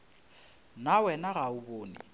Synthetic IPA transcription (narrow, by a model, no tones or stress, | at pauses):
nawɛnaɣaʊboːnḭ